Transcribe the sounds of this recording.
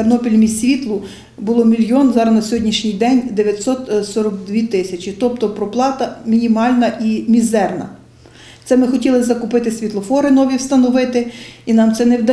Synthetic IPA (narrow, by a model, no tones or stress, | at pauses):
ernɔpʲilʲmʲisʲsʲʋʲit̪lˠʊ | bʊlˠɔmʲilʲjɔnzɑɾɐznɐsʲɔɦɔdʲnʲiʃnʲijd̪ɛnʲd̪eʋʲjɐt̪ʲsɔt̪sɔɾɐɡd̪ʲʋʲit̪ɪsʲɐt͡ʃit̪ɔpt̪ɔpɾɔplˠɑt̪ɐmʲinʲimɑlʲnɐʔimʲizɛrnɐ̰ | t̪sɛmɪxɔtʲilˠɪzɐkʊpɪt̪ɪsʲʋʲit̪lˠɔfɔɾɪnɔʋʲiwst̪ɐnɔʋɪt̪ɪinɑmtsɛnɛwd̪ɐ